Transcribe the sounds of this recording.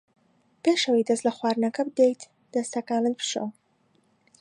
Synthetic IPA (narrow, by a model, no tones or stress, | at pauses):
peːʃɐwejd̪ɐslɐxwaːɾnɐkɐbɨd̪ejt̪ | d̪̥ɐst̪ʰɐkaːlɨn̚pʰɨ̥ʃo̰w